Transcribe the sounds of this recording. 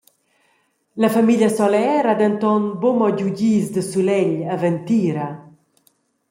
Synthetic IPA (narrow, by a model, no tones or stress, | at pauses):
lafamiʎasɔlɛːɾad̪ənt̪ɔnbomɔɟuɟiːzd̪əsulɛʎavɛnt̪iːɾa